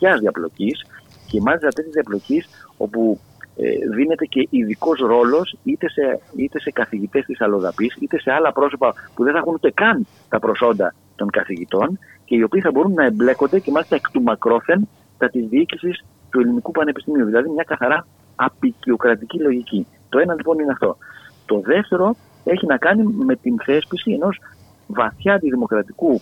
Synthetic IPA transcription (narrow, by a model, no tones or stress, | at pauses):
çɐzðiɐplo̞̰cis | ce̞mɐlist̪ɐt̪esezðiɐplo̞ciso̞̰pṵ | ðine̞t̪e̞ce̞ʔiðiko̞sɾo̞lo̞sit̪e̞seit̪e̞se̞kɐθiʝit̪e̞st̪isɐlo̞ðɐpisit̪e̞se̞ɐlɐpɾo̞so̞pɐpuðenθɐxunut̪e̞kɐn | t̪ɐpɾo̞so̞nd̪ɐ | t̪o̞ŋkɐθiʝit̪o̞n | ce̞io̞piːθɐbo̞ɾunːɐe̞mble̞ko̞nd̪e̞cemɐlist̪ɐekt̪umɐkɾo̞θe̞n | t̪ɐt̪izðiicisis | t̪ue̞linikupɐne̞pist̪imiuðilɐðimɲɐkɐθɐɾɐ | ɐpicio̞kɾɐt̪icilo̞ʝici | t̪o̞e̞nɐlipo̞nineɐft̪o̞̰t̪o̞ðe̞ft̪e̞ɾo̞ | eçinɐkɐnime̞t̪inθe̞spisie̞no̞z | vɐθçɐnd̪iðimo̞kɾɐt̪iku